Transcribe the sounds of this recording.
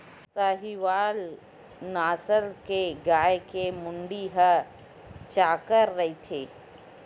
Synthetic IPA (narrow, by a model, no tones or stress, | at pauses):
saːɦiʋaːl | naːsəlkeɡaːjkemʊɳɖiɦə | t͡ʃaːkəɾːɐit̪ʰeː